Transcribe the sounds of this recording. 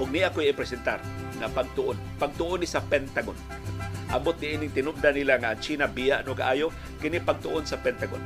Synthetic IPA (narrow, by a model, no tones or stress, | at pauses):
ʔʊɡ̚nɪʔakojɪpɾɛsɛnt̪arŋapaɡ̚t̪ʊʔonpaɡ̚t̪ʊʔonɪsɐpɛnt̪aɡon | ʔa̰mot̪̚nɪʔiːnɪŋt̪ɪnʊp̚d̪anilaŋaʔant͡ʃiːnabijaʔnʊkaʔaːjo | kɪnɪpaɡ̚t̪ʊʔonsɐpɛnt̪aɡo̰n